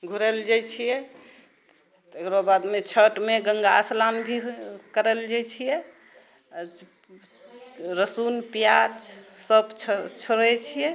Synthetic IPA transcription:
ɡʱuɾəld͡ʒat͡ʃʰijɛ | t̪ekɾobad̪met͡ʃʰəʈmeɡəŋɡaslanbʱikəɾəld͡ʒat͡ʃʰijɛ | ɾəsunpjad͡ʒsəbt͡ʃʰt͡ʃʰoɾɛt͡ʃʰijɛ

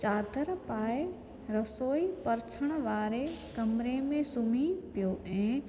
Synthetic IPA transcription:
t͡ʃaːd̪ʱəɾpaːe | ɾɐsoːipɐɾt͡ʃʰəɽ̃ʋaːɾekɐmɾemẽsʊmiːpijoːʔɛ̃ː

